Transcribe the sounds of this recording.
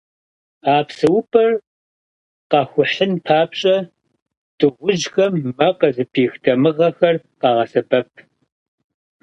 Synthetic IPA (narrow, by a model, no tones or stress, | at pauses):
aːpsɨwʊpʰʼɐr | qɑxʷʊħɨnpʰaːpɕʼɐ | d̥ɨʁʷʊʒxɐmːɐqɐzɨpʰiːxtʰɐmɨʁɐxɐr | qɑːʁɐsɐbɐp̚ʰ